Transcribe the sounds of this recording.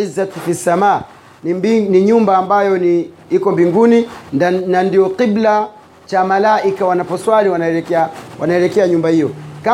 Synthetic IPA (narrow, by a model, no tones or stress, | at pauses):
izatfisamaː | niɲumbaːmbajɔni | ikɔmbiŋɡuninandijɔqibla | t͡ʃamalaʔikawanapɔswaliwanaɛlɛkɛawʔanaɛlɛkɛaɲumbahijɔka